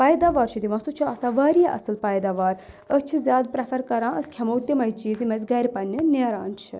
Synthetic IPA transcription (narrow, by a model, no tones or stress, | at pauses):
pɐjd̪aʋaːɾt͡ʃʰid̪iʋɐ̃sut͡ʃʰiɐsaʋaːɾijaʔɐ̰sɨlpɐjd̪aʋaːɾ | ət͡ʃʰizʲjaːd̪̚pɾɐfʰɐɾkɐɾãːʔəskʲʰɐmɐwt̪imɐjt͡ʃiːzimɐzʲɡɐɾʲpɐnːɨneɾa̰ːnt͡ʃʰḭ